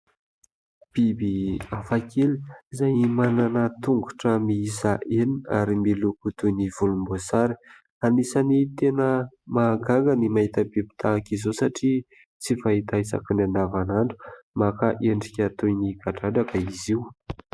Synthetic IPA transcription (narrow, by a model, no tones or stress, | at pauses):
b̥ibiafakʰelizajmananət̪uŋɡu̥ʈ͡ʂəmiisaʔena̰ɾimilukut̪univulumbosaɾi̥ | anisənit̪enəmaɡaŋɡənimaɦit̪əbibi̥t̪ʰakizosaʈ͡ʂi | t͡sifaɦit̪aisa̰kinand̪avanaɳɖ͡ʐu̥makaʔeɳɖ͡ʐikʲat̪ujniɡaʈ͡ʂaɖ͡ʐakaiziw